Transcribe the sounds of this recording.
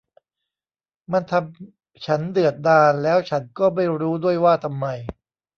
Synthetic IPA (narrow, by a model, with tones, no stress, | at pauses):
ma˧nt̪ʰa˧m | t͡ɕʰa˦˥ndɯ˨˩ət̪̚daː˧nlɛː˦˥wt͡ɕʰa˦˥nkɔː˥˩ma˥˩jɾuː˦˥du˥˩əjwaː˥˩t̪ʰa˧mːa˧j